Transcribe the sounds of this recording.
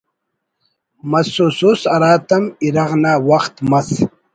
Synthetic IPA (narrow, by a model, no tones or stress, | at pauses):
mɐsususɐɾaːt̪ɐmiɾɐʁnaːwɐχt̪mɐs